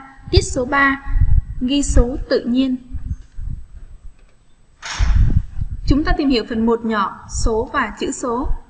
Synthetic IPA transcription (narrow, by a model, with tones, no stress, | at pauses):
t̪i˦˥ət̚so˨˦ɓaː˧ | ɣi˧so˨˦t̪ɨ̰˧˨ɲi˧ən | t͡ɕʊ˨˦ŋ͡mt̪aː˧t̪i˨˩mhḭ˧˨əwfə˨˩nmo˨˩t̚ɲɔ̰˧˩˨so˨˦vaː˨˩t͡ɕɨ̰˧˥so˨˦